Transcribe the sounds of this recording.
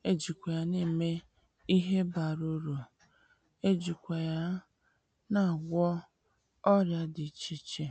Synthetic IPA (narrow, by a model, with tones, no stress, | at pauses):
e˦d͡ʒi˨kʷe˨ja˦ni˦˨me˦ | i˦ɦe˦ba˨ɾo˦ɾo˨ | e˦d͡ʒi˨kʷa˨ja˦ | na˨ɡʷɔ˦ | ɔ˦ɾja˦dɪ˨t͡ʃi˦t͡ʃe˨